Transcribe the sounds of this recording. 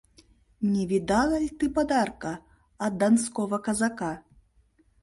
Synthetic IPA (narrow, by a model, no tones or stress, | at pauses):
nʲɛvʲid̪alˠɐlʲt̪ɨpad̪arkɐ | ɐd̪anskɔvɐkɐzaka